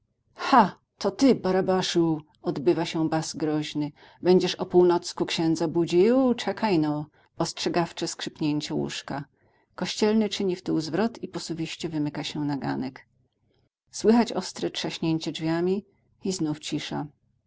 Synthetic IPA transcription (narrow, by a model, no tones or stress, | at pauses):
xa | t̪ɔt̪ɘbaɾabaʂu | ɔd̪bɘvaɕɛbazɡɾɔʑnɘ | bɛɲd͡ʑɛʂɔpuwnɔt̪skukɕɛ̃nd̪zabud͡ʑiwt͡ʂɛkʰajnɔ | ɔstʂɛɡaft͡ʂɛskʂɘpʲɲeɲt͡ɕɛwṵʂka | kɔɕt͡ɕɛlnɘt͡ʂɘɲift̪uwzvɾɔt̪ipɔsɔbʲiɕt͡ɕɛvɘmɘkaɕɛnaɡa̰nɛk | swɘxat͡ɕɔst̪ɾɛtʂaɕɲeɲt͡ɕɛd͡ʐvʲjamʲi | iznuft͡ɕiʂa̰